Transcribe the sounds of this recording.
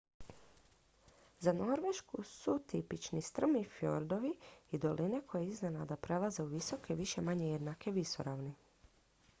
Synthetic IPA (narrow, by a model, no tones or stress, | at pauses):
zano̞ɾʋe̞ʃkusut̪ipit͡ʃnist̪r̩mifjo̞̰ɾd̪o̞ʋiid̪o̞line̞kʰo̞jeizne̞nad̪apɾe̞lˠaze̞uʋiso̞kʰeʋiʃe̞maɲeje̞d̪nake̞ʋisoɾaʋni